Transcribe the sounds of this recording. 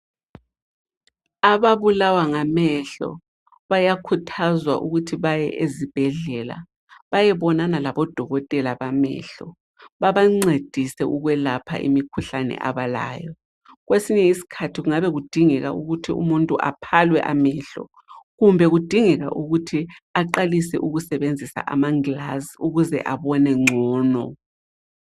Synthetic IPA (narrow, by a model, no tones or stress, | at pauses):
aβaβulawaŋamɛɬɔ̰ | βajakʰutʰazwa̰ʔuɣutʰiβajɛʔezib̥ʱɛɮɛla̰ | βajɛβɔnanalaβɔd̥ʱɔɣɔtʼɛlaβamɛ̰ɬɔ̰ | βaβaŋ͡ǀed̥ʱisɛʔuɣwɛlapʰa̰ʔḭmikʰuɬanɛ̰ʔa̰βala̰ːjɔ | ɣwesiɲɛisi̥kʰatʰiɣuŋaβɛɣud̥ʱiŋɛɣa̰ʔuɣutʰiṵmuntʼuʔa̰pʰalwɛ̰ʔamɛɬɔ̰ | ɣumbʱɛɣud̥ʱiŋɛɣa̰ʔuɣutʰiaǃalisɛ̰ʔuɣusɛβend͡zʱisa̰ʔamaŋlazuɣuzɛ̰ʔaβɔnɛŋ͡ǀʱɔːnɔ